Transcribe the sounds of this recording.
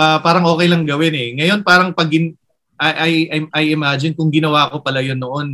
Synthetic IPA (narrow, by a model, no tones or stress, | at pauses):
ʔɐpaːɾɐŋʔo̞ːkɛjlɐŋɡɐwɪnɛŋɐjo̞npaːɾɐŋpɐɡɪn | ʔɐʔɐjʔɪʔɐjʔɪmad͡ʒɪnkʊŋɡɪnɐwaːko̞pɐlajonːoʔo̞n